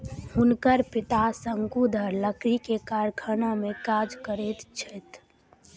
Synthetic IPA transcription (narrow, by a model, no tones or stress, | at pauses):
hʊnkəɾpɪt̪asəŋkud̪ʱəɾləkɾikekaɾkʰənamẽkaːd͡ʒkəɾet̪t͡ʃʰət̪